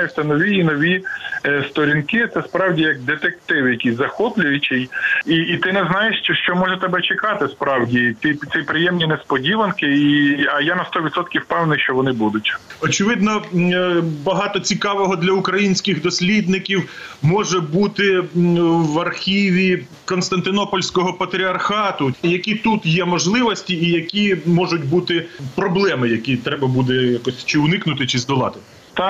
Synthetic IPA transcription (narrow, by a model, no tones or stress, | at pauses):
jɛʃt̪ɛnɔʋʲiːnɔʋʲist̪ɔɾʲinkɪt̪sɛspɾɑwdʲijɐk̚d̪et̪ekt̪ɪwjɐkʲijʲzɐxɔplʲʊjʊt͡ʃɪjiːt̪ɪnɛznɑjeʃt͡ʃʃt͡ʃɔmɔʒɛt̪ɛbɛt͡ʃekɑt̪ɪspɾɑwdʲit̪ʲisʲijpɾɪjɛmnʲinɛspɔdʲiʋɐnkɪiiɐjanɐst̪ɔʋʲid̪t̪sɔt̪̚kʲiwpɛwnɪjʃt͡ʃɔʋɔnɪbud̪ʊtʲ | ɔt͡ʃɪʋɪd̪nɔ | bɐɦɑt̪ɔt͡sʲikɑʋɔɦɔd̪lʲɐʊkɾɐjinʲsʲkɪɣd̪ɔsʲlʲid̪nɪkʲiwmɔʒɛbut̪ɪ | ʋɐrxʲiʋʲi | kɔnst̪ɐnt̪ɪnɔpɔlʲsʲkɔɦɔpɐt̪ɾʲiɐrxɑt̪ʊjɐkʲit̪ut̪jɛmɔʒlˠɪʋɔsʲtʲiːjɐkʲimɔʒʊtʲbut̪ɪpɾɔblˠɛmɪjɐkʲit̪ɾɛbɐbud̪ɛjakɔsʲt͡ʃɪʊnɪknʊt̪ɪt͡ʃɪzd̪ɔlˠɑ̰t̪ɪ | t̪a